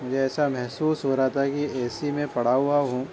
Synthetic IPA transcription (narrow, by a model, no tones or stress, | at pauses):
mʊd͡ʒʱeɛːsamɛɦsuːsɦoɾaat̪ʰakiɛːsimẽpɐɽ̤aɦʊaɦũː